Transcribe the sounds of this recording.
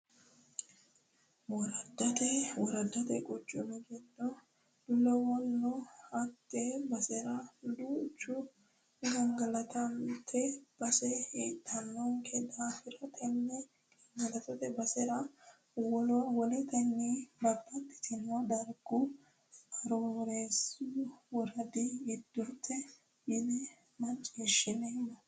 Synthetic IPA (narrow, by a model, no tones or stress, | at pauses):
wɔɾɐd̪ːɐt̪ɛwɔɾɐd̪ːɐt̪ɛkʼɔt͡ʃʼːʊmɪɡɛd̪ɔ | d̪̥ʊlɛwɔnːɔɐt̪ːɛbɐsɛɾɐd̪ut͡ʃːʊ | ɡɐŋɡɐlɐt̪ʰɐnt̪ʰɛb̥ɐsɛheːt̪ʰːɐnːɐŋkʰɛd̪aːfɪɾɐt̪ʰɛnːɛ | ɡɐŋɡɐlɐt̪ɐt̪ɛbɐsɛɾɐ | wɔlɔwɔlɛt̪ɐnːibɐbɐt̪ʼːɪ̥t̪ɪnɔd̪ɐɾɡʊ | ɐɾoɾeːsʊwɔɾɐd̪ɪjɪd̪ːʊt̪ːɛ | jɪdɛ | mɐt͡ʃʼːiːʃːɪnemːɐ